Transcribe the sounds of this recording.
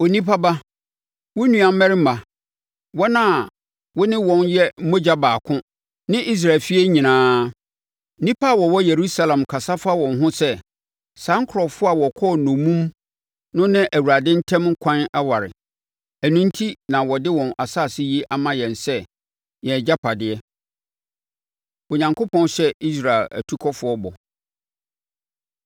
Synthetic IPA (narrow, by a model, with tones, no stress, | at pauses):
o˨nĩ˦pʰa˦ba˦ | wɔ˦nũ˨ã˨˦mɛ˦ɾɪ˦m̩˦a˨ | wɔ˦nã˦˨ | wɔ˦nɪ̃˦wɔ̃˨njɛ˦m̩˦mõ˦d͡ʑa˦baː˨kʰʊ̃˦ | nɪ̃˦ʔi˦s̬ɾa˨fi˦e˦ɲĩ˨nãː˨˦˨ | nĩ˦pʰa˦˨wɔ˨wɔ˦je˨ɾu˦sa˦lã˨mkʰa˨sa˦fa˦wɔ̃˨nɦʊ̃˦sɛ˦ | sã˨˦ŋ˦kʰʊ˨ɾɔ˨fʊ˦a˨wɔ˨kʰɔː˦˨nʊ̃˨mũ˦m | nʊ̃˦nɪ̃˦ʔæ˨wu˨ɾa˨dɪ̃˦n̩˦tʰɛ̃˦mŋ̩˦kʷʰã˦na˦wa˨ɾɪ̰˨ | æ˨nũ˦n˦tʰi˦nã˨wɔ˨dɪ˦wɔ̃˨na˨sa˦˨sɪ˦ji˦ʔa˨mã˦jɛ̃˨nsɛ˦ | jɛ˨d͡ʑa˦pʰa˨dɪ˨ɛ˦ | o˨ɲã˨ŋkʰo˦pʰɔ̃˦n˦ɕɛ˦i˦s̬ɾa˨ɪ˨læ̰˨tʰu˦kʰɔ˦fʊ˦ɔ˦bɔ˨